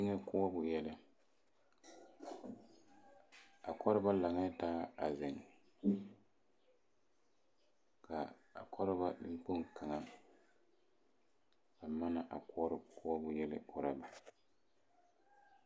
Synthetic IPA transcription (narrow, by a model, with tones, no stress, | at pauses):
ŋɛ˦kʊ˦a˦bʊ˨jɛ˦lɪ˦ | a˨kʰɔ˦ɾɪ˦ba˦la˨ŋɛ˦taː˦a̰˨zɪ˨ŋ | kʰa˨a̰˨kʰɔ˦ɾɪ˦ba˦lɪ̰˦ŋ͡mk͡po˦ŋka˨ŋa˦ | ba˨ma˦na˨ʔa˨kɔ˦ɔ˦ɾɪ˦kʊ˦a˦bʊ˨jɛ˦lɪ̰˦kɔ˦ɾa˦ba˨